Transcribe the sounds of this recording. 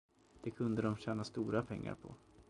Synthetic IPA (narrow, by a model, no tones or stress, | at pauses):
d̪̥ɛkʰɵnd̪əd̪ɔmɕɛːnast̪uːɾapʰɛŋːa̰ɾpʰɔ̰